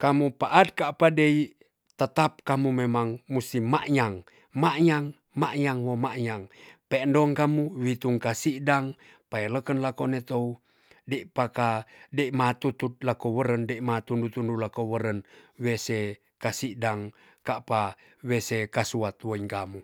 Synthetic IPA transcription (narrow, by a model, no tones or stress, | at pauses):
kamupaʔad̚kaʔpadei | t̪ət̪ap̚kamumemaŋmust̪imaʔjaŋ | maʔjaŋ | maʔjaŋwomaʔjaŋpeʔəndoŋkamuwit̪uŋkasiʔdaŋ | paeləkənlakonet̪ou | deipakadeimat̪ut̪ud̪̚lakowəɾəndeimat̪undut̪undulakowəɾənwese | kasiʔdaŋ | kaʔpa | wesekasuat̪̚woiŋkamu